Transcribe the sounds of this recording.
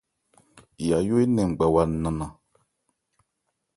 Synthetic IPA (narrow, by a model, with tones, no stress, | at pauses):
ja˨jo˦e˦nɛ̃˨ŋ͡m̩˨ɡ͡ba˨wa˧n̩˦nã˨nã˨